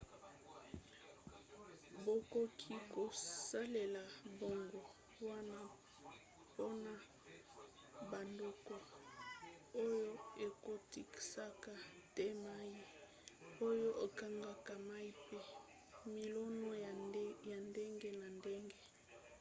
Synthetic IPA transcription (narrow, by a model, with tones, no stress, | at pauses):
bo˨ko˨kʰi˦ko˨sa˦le˨la˨bo˨ŋɡo˨ | wa˦na˦ | po˦na˦ | ba˨ndo˨kɔ˨ | o˦jo˦e˨ko˦ti˨ki̥˨sa˦ka˦tɛ˦ma˦ji˦ | o˦jo˦ʔo˨ka˦ŋɡa˦ka˨ma˦i˦pe˦ | mi˨lɔ˦no˦ja˨nde˦ŋɡe˦na˨nde˦ŋɡe˦